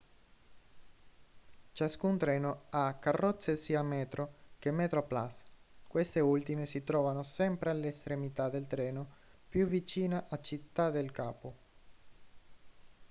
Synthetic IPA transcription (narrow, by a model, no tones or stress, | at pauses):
t͡ʃaskunt̪ɾɛːnoakːarːɔt̪sːesiːamɛːt̪ɾʔok̟emet̪ɾoplaskwest̪eult̪imesit̪ɾɔːvanosɛmpɾealest̪ɾemit̪ad̪elt̪ɾɛːno | pjuvit͡ʃiːnaʔat͡ʃit̪ːad̪elkaːpo